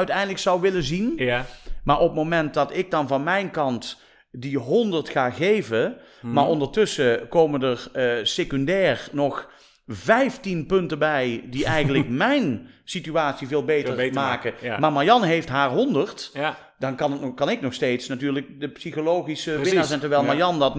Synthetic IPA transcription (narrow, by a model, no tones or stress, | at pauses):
œɥtɛjndələksɑwʋɪləzin | maːɹɔp̚mowmɛnt̚dɑtɪk̚dɑnvɑnmɛjnkɑnt | diɦɔndəɹtχaːɣejvə | maːɹʔɔndəɹtɵsəkowməndəɹsekɔndɛːɹnɔx | vɛjftinpɵntəbɛjdiʔɛjxəntlək̚mɛjn | sityaːtsiveːlˠbejtəmaːkəmaːɹmajɑnɦejftɦaːɹɦɔndəɹt | d̥ɑnkɑnətkɑnɪknɔxstejtsnatyːɹlək̚dəpsiχolowχisəʋɪnaːɹsɛntəɹʋɛlˠmajɑndɑt